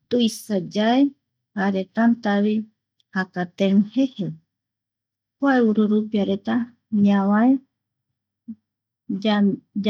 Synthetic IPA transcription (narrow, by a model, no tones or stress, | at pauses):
t̪uisad͡ʒae | haɾet̪ant̪aβi | hakat̪eɾũhehe | kuaeuɾuɾupiaɾet̪a | ɲãwae | ad͡ʒ